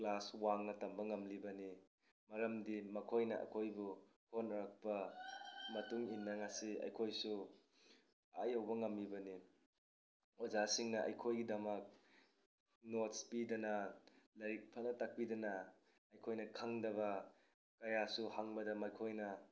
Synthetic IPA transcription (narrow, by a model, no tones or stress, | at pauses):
klaswaŋnɐtɐmbɐŋɐmlibɐni | mɐɾɐmdimɐkʰojnɐʔɐ̰kʰojbu | honɾak̚pɐ | mɐtuŋinːɐŋasiɐ̰jkʰojsu | ajɐwbɐŋɐmːibɐni | ɔzasiŋnɐʔɐ̰jkʰojɡidɐmɐk̚ | not̚spidɐnalɐɾik̚pʰanɐtak̚pidɐnaː | jkʰojnɐkʰaŋdɐβɐ | kɐjasuhaŋbɐdɐmajkʰojnɐ